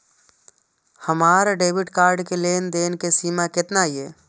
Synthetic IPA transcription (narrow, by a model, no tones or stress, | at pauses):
həmaːɾaɖeːbɪʈkaːɾɖkeleːnd̪eːnkesiːmakɪt̪naɦie